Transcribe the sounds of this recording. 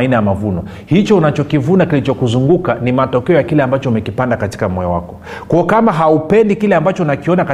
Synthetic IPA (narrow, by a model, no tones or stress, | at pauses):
inajamavunɔ | hit͡ʃɔunat͡ʃɔkivunakilit͡ʃɔkuzuŋɡukanimatɔkɛɔjakilɛambat͡ʃɔumɛkipandakati̥kamwɔɔ̰wa̰kɔ̥ | kuakamaɦaupɛndikilɛambat͡ʃɔnakiɔnaka